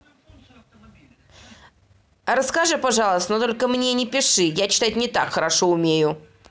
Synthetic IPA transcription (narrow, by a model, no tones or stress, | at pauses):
ɾəskaʐɨpɐʐɑlˠəst̪ənət̪o̞lʲkəmnʲenʲɪpʲɪʂɨjat͡ɕɪ̥t̪atʲnʲɪt̪akxəɾaʂoʊmʲejʊ